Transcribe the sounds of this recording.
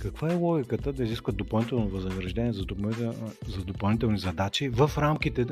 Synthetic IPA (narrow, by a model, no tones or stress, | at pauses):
kɐkvaɛlˠɔɡʲikət̪əd̪ɐiziskvət̪̚d̪opɐlˠnit̪ɛlˠnovɐznɐɾɐʒd̪ɛnʲiɛzɐ | zɐd̪opɐlˠnit̪ɛlˠnizɐd̪at͡ʃivɐfɾamkit̪ɛ